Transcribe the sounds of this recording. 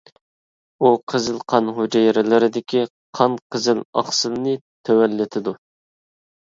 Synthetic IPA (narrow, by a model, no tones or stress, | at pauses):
uqʰəzɨlˠqʰɑnɦod͡ʒɛjɾɪlɪɾɪd̪ɪkʲʰi | qʰɑnqʰəzɪlɑ̰χsɨlnɨ | t̪ʰɛwɛlːɪt̪ʰɪd̪u